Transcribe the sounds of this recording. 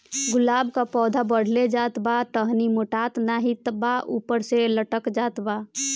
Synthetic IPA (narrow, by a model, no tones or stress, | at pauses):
ɡʊlaːbkapɔːd̪ʱabəɽ̤led͡ʒat̪baʈəɦnimoʈat̪naɦit̪baʔupəɾseləʈəkd͡ʒaːt̪ba